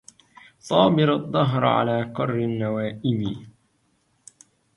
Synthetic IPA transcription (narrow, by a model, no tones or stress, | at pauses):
sˤɑːbɪɾɑðˤːɑɦɾʕa̰laːqɑrˤːɪnːawaːʔɪmi